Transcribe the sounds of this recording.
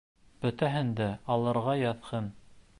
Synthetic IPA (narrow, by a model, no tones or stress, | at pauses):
b̥ɵ̆t̪æɦɘnd̪æɑlˠɤ̆ɾʁɑjɑθhɤn